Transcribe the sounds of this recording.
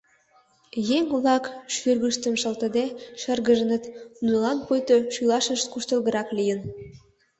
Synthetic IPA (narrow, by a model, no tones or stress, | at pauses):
jeŋβlɑkʃyrɣəʃt̪ə̆mʃə̆lt̪ə̆d̪eʃə̆rɣə̆ʒə̆nə̆t̪nulɑnpojt̪oʃylɑʃə̆ʃt̪kuʃt̪ə̆lˠɣə̆ɾɑklijən